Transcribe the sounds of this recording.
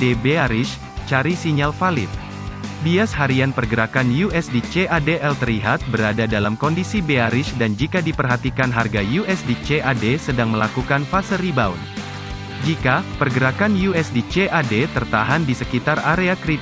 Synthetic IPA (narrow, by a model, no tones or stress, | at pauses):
debeaɾɪʃ | t͡ʃaɾisiɲalfalɪ̰t̪̚ | biashaɾianpərɡəɾakanjuʔɛsdit͡ʃeʔadeʔɛlt̪əɾliɦat̪̚bəɾadadalamkɔndisibeaɾɪsdand͡ʒikadipərɦat̪ikanɦarɡajuʔɛsdit͡ʃeʔadesədaŋməla̰kukanfasəɾibaṵn | d͡ʒikapərɡəɾakanjuɛsdit͡ʃeʔadet̪ərt̪aɦandisəkit̪araɾeakɾit